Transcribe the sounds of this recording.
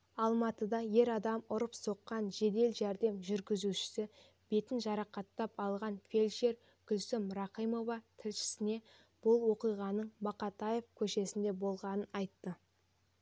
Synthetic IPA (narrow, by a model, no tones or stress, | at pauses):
ɑlˠmɑt̪əd̪ɑje̞ɾɑd̪ɑmʊɾəpso̞qːɑnʒe̞d̪e̞lʒæɾd̪e̞mʒʏɾɡʲɪzuʃɪ̥sɪ | b̥e̞t̪ɪnʒɑɾɑqɑt̪ːɑpɑlˠʁɑnfʲe̞lʲʃe̞ɾ | ɡ̥ʲʏlsɪmɾɑqijmo̞vɑt̪ʰɪlʃɪ̥sɪne̞ | b̥ʊlˠwo̞qijʁɑnəɴbɑqɑt̪ɑje̞fkʲʰɵʃe̞sɪnd̪e̞bo̞lˠʁɑnənɑjt̪ːə